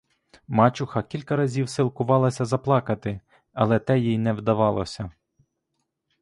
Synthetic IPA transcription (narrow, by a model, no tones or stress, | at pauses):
mɑt͡ʃʊxɐkʲilʲkɐɾɐzʲiwsilˠkʊʋɑlˠɐsʲɐzɐplˠɑkɐt̪ɪ | ɐlˠɛt̪ɛjijnɛwd̪ɐʋɑlˠɔ̰sʲɐ